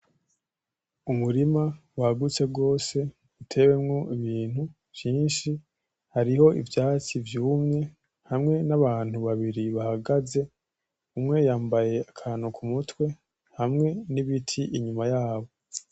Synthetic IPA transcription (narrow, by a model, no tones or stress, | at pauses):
umuɾimawahaɡut͡se̞b̚ɡo̞ːse̞ | utʰe̞we̞mŋo̞ʔiβiːn̥hu | vjiːnʃi | haɾiho̞ḭvjaːt͡ʃivjuːmɲe̞ | hamŋe̞naβaːn̥huβaβiɾiβahaɡaze̞ | umŋe̞jaːmbaje̞akʰaːnukʰumutwe̞ | hamŋe̞niβitʰiʔiɲumajaːβo̞